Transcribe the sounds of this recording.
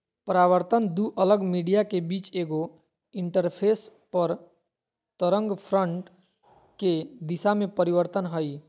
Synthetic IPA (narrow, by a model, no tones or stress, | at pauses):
pɾaːʋəɾt̪ənd̪uʔələɡmiːɖijakebiːt͡ʃeːɡo | ɪ̃ɳʈəɾpʰeːspəɾ | t̪əɾə̃ŋɡpʰɾə̃ɳʈ | ked̪ɪsamẽpəɾiʋəɾt̪ənɦəi